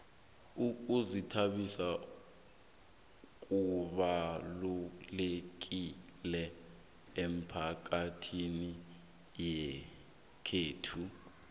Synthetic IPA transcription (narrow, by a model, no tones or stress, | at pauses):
uk̬ʼuzitʰaɓisa | k̬ʼuɓalulek̬ilɛ | em̩pʰak̬atʰini | jɛ | kʰeːtʰu